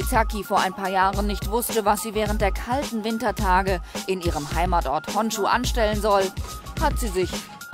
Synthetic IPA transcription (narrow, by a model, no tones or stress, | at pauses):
it͡sakifoːɐaɪnpʰaːɐjaːʁənnɪçtv̥ʊstəvasz̥iːvɛːʁ̞ənt̚d̥eːɐkʰaltn̩vɪntɐtʰaːɡəʔɪnʔiːʁəmhaɪmaːtʔɔɐthɔnʃuːʔa̰nʃtɛlənzɔlhatz̥iːzɪç